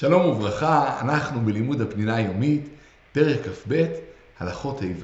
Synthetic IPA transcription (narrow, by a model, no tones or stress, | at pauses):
ʃalo̞muvʁaχaa̰naχnubelimudapninajo̞mitː | e̞ʁeχkafbe̞t | halaχo̞thajv